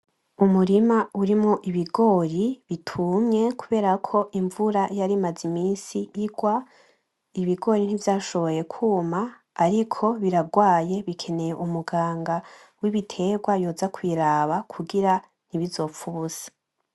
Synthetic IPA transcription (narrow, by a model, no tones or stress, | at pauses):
umuɾimauɾimŋoʔiβiɡo̞ːɾiβitʰumɲe̞kuβe̞ːɾakʰo̞ʔiɱvuɾajaɾimazimiːnsijiɡwa | iβiɡo̞ɾin̥ivjaːʃoβo̞je̞kʰuːmaː | ɾikʰo̞βiɾaɡwaːje̞βikʰe̞ne̞jeʔumuɡaːŋɡa | wiβitʰe̞ɡwajoːzakwiːɾaːβakʰuɡiɾa | n̥iβizo̞ːfuβuz̥ḁ